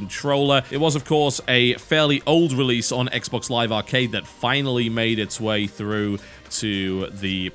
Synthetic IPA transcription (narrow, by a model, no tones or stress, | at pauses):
n̩tʰɹ̥oʊlˠəʔɪt̚wʌzʌv̥kʰɔɹsɨfɛɹliʔʔoʊlˠdɹɪliˑsn̩ɛ̰ksb̥ɒkslaɪvɑːˑkʰeɪd̪̚ðɨtfãɪ̃nl̩ˠimeɪɾɨtsweɪθɹʉː | tʰɨðɨ